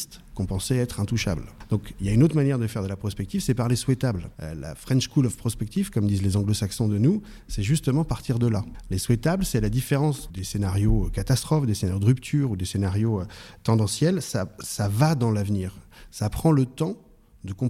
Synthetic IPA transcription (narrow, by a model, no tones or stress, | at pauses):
st̪kɔ̃pɑ̃sɛɛt̪χɛ̃t̪uʃa̰bld̪̥ɔ̃kiljaynot̪χmanjɛʁd̪əfɛʁd̪əlapχɔspɛk̚t̪ivsɛpaʁleswɛt̪ablø̰la̰fχɛ̃nʃkulɔfpχɔspɛk̚t̪ivkɔmd̪izlezɑ̃ɡlosaksɔ̃d̪ənu | sɛʒyst̪əmɑ̃paʁt̪iʁd̪əlaleswɛt̪ablsɛlad̪ifeʁɑ̃sd̪esenaʁjokat̪ast̪χɔfd̪esenaʁjod̪ʁypt̪ʰyʁud̪esenaʁjoøt̪ɑ̃d̪ɑ̃sjɛlsasavad̪ɑ̃lavniːʁsapχɑ̃lət̪ɑ̃ | d̪əkɔ̃